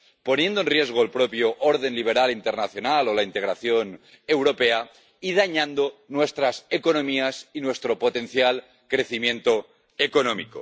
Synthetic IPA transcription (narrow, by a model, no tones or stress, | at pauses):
ponje̞nd̪oenrjiezɣoelpɾopjoʔoɾð̞enliβ̞eɾalint̪eɾnaθjonalolaint̪eɣɾaθjon | ewɾopea | iðaɲãnd̪onwest̪ɾasekonomiasinwest̪ɾopot̪enθjal | kɾeθimjẽnt̪o | ekonomiko̰